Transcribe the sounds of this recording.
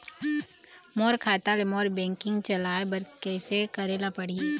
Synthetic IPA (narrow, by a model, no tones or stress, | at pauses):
moːɾkʰaːt̪alemoːɾbɛ̃ːŋkɪ̃ŋɡt͡ʃɐlaːebɐɾkɛːsekɐɾeːlapɐɽie